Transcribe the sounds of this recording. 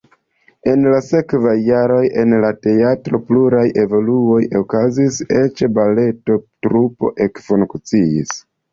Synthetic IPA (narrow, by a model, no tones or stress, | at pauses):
e̞nlase̞kvajːaɾo̞je̞nlate̞atɾo̞pluɾajʔe̞vo̞luo̞jʔo̞kazise̞t͡ʃbale̞to̞tɾupo̞̰ʔe̞kfuŋkt͡siḭs